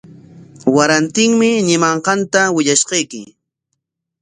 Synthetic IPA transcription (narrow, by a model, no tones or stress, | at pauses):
waɾant̪ɪŋmɪɲɪmɑɴqɑnt̪awɪʎaʃqɑjkɪ